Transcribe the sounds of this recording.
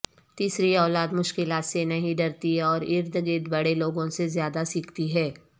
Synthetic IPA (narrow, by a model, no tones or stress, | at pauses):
t̪iːsɾiɔːlaːd̪mʊʃkɪlaːt̪senɐɦĩɖɐɾt̪iɔːɾɪɾd̪ɡɪd̪bɐɽeloːɡõsezjaːd̪asiːkʰt̪iɦɛː